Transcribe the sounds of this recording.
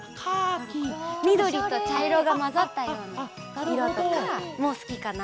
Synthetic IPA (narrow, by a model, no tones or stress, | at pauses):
mʲid̪o̞ɾʲit̪o̞t͡ɕaiɾo̞ɡamazat̪ːajo̞ːɲ̟i | iɾot̪mo̞ːsɨ̥kʲikana